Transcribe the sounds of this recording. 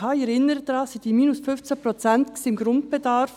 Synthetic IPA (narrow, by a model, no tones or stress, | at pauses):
ɑːɛɾɪnːəɾəd̥ɾɑːsid̥iːmiːnʊsfʏft͡sæpɾɔt͡sæntsɪmɡɾʊnt̚b̥ɛdɑɾf